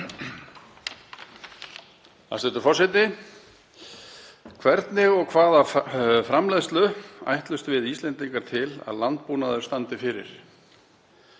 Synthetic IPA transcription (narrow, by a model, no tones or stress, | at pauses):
a̰st̪ɛt̪ʏ̥ɾfɔrsɪt̪ɪ | kʰvɛɾt̪nɪɣɔɣkʰvaːðafɾamlɛjðst̪lʏa̰jht̪lʏst̪vɪðist̪lɛnt̪iŋkaɾ̥t̪ʰɪla̰ðlant̪̚puːnaðʏɾst̪ant̪ɪfɪɾɪ̰ɾ̥